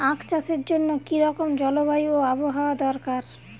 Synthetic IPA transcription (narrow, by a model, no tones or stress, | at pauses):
ãkt͡ɕaseɾd͡ʑonːokiɾɔkomd͡ʑɔlobajoaboɦaoad̪ɔɾkaɾ